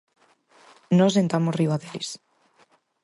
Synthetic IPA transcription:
nɔsent̪amoriaðelis

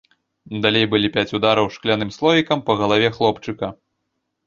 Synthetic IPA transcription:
d̪alʲejbɨlʲipʲat͡sʲud̪aɾɐwʂklʲanɨmslˠɔvʲikɐmpɐɣɐlˠavʲɛxlˠɔpt͡ʂɨkɐ

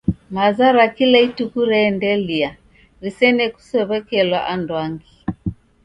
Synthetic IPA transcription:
mazaɾakilaitukuɾɛːndɛlia | ɾisɛnɛku̥sɛβɛkɛlwa̰ʔandwaŋɡi

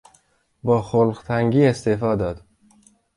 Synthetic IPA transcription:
bɒːxolɢt̪ʰæŋɡiːe̞st̪efɒːd̪ɒːd̪̥

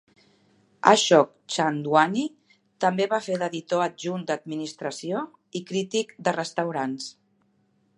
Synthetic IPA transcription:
ə̰ʃɔk̚ | t͡ʃand̪wani | t̪əmbeβafeðəðit̪oəʒund̪əd̪̚minist̪ɾəsio | ikɾit̪ikd̪ərəst̪əwɾans

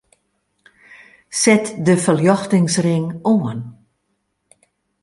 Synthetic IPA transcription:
sɛtdəfəljɔxtɪŋsrɪŋoən

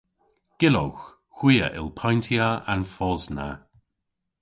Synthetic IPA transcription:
ɡ̥ɪlo̰wx | xwiːə̰ʔɪ̰lpʰajntʰiaanfɔzna̰

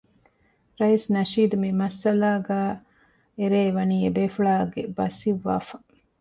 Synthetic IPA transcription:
ɾɐjisnɐʃiːd̪umimɐsɐlaːɡæː | eɾeːʋɐniːebeːfuɭaːɡebɐsiʋːa̰ːfɐ

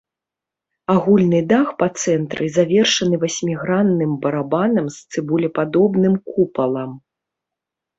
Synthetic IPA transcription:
aɣulʲnɨd̪axpɐt̪sɛnt̪ɾɨzavʲɛrʂɐnɨvasʲmʲiɣɾanːɨmbɐɾabanɐmst̪sɨbulʲɛpad̪ɔbnɨmkupɐlˠɐm

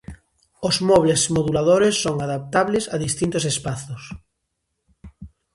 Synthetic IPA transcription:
ozmɔβlesmoðulaðoɾesːoŋaðap̚t̪aβlesaðist̪int̪osespaθos

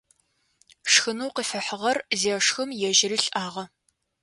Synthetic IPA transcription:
ʂxɨnuwqəfɐħəʁɐrzeːʂxɨmjɛʒɪɾiːɬʼʔaːʁɐ

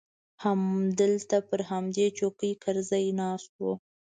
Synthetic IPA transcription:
hamd̪əlt̪apəɾɦamd̪et͡ʃokəjkaɾzajnɑst̪̚wo

